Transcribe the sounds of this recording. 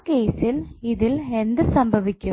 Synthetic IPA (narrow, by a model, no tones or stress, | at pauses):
keːsɪliðɪlend̪ɨsɐmbʱɐʋɪkʲːɯ